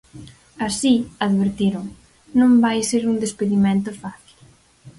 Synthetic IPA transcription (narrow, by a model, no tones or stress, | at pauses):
asiaðβeɾt̪iɾʊŋ | nõmbajseɾund̪espeðimẽnt̪ʊfaθi̥l